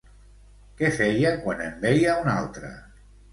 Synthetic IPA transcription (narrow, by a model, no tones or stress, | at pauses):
kɛfɛjakwanembɛjauna̰lˠt̪ɾə̰